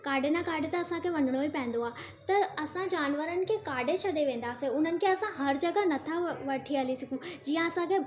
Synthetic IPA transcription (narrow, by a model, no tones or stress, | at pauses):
kaːɖʱenakaːɖʱet̪ɐːɐsãkʰeʋɐnəɽ̃oipɐ̃ɦɪ̃n̆d̪oaː | t̪ɐɐsãd͡ʑaːnʋəɾənɪ̆kʰeːkaːɖet͡ɕʰɐd̪eʋẽːn̆d̪aːseʊn̤ənɪ̆kʰeɐsãɦɐɾd͡ʑɐɡanɐt̪ʰaʋɐʈʰiɐlisɪɡʰʱũd͡ʑiːə̃ɐsãkʰe